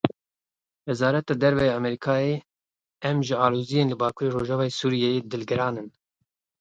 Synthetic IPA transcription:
wɛzɑːɾɛt̪ɑːd̪ɛɾvɛjɑɑmɛɾikʰɑːe | ɛmʒɨɑːloːzijeːnlɨbɑːkʰuɾeːɾoːʒɑːvɑːjesuːɾijɛjed̪ɨlɡɨɾɑːnɨn

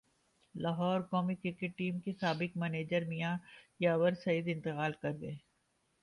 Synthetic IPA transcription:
laːɦɔːɾkɔːmikɾɪkeʈʈːiːmkesaːbɪkmɛneːd͡ʒəɾmijajaːʋəɾsɐid̪ɪ̃nt̪ɪqaːlkɐɾɡɐeː

